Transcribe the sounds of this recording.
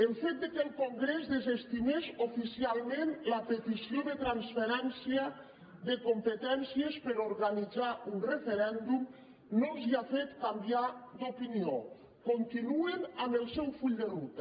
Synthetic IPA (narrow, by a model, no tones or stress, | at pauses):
əlˠfet̪̚d̪əkəlˠkoŋɡɾezðəzest̪imeʃofisialˠmenləpət̪isioðət̪ɾansfeɾɛnsiə | ðəkompət̪ɛnsiəspəɾoɾɣanid͡zaunrəfeɾɛnd̪um | nolˠziafet̪kambiad̪opinio | kont̪inuenaməlˠsɛwfuʎd̪əlut̪ə